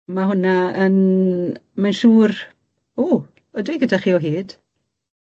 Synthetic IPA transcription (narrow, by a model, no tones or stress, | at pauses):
maɦʊnaən | manʃuːr | uː | ɔdwiɡədaχiːɔɦiːd̥